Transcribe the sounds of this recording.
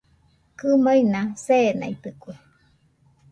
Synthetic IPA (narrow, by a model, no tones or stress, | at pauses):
kɨmainaseːna̰jt̪ɨkʷe